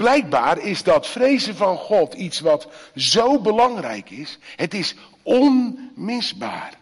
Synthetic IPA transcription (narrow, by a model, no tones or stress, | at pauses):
b̥lɛjk̚baːɾɪzdɑtfrejzəvɑnχɔtʰitsʋɑtzowbəlɑŋrɛ̰jkɪsɦətɪs | ɔnmɪzba̰ːr